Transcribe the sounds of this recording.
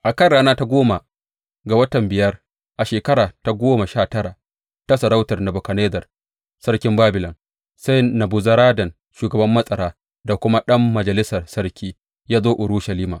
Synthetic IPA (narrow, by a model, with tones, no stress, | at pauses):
ʔa˨kɐ˦˨rɽaː˦naː˦ta˦ɡʷoː˦ma˨ | ɡa˨wɐ˦tɐ˨mbɪ˨jɐ˦r | ʔa˨ʃeː˨kɐ˦ɾaː˨ta˨ɡʷoː˦ma˨ʃaː˦˨tɐ˦ɽa˨ʔ | ta˦sɐ˨ɾa˦wtɐ˨rna˨bo˨kɐ˨neː˦dɐ˨r | sɐ˦ɽkʲɪ˦mbaː˦bɪ˨lɐ˨n | sa˦jnɐ˨bʊ˨zɐ˦ɾaː˦dɐ˨n | ʃuː˨ɡɐ˨bɐ˦mːɐ˦sʼɐ˨ɾaː˦ | da˨kʷʊ˦ma˦ɗɐ˦mːɐ˨d͡ʒɐ˨lɪ˦sɐ˨rsɐ˦ɽkʲʰiː˦ | jaː˦zoː˦ʔʊ˨ɽu˦ʃɐ˨liː˦maː˨ʔ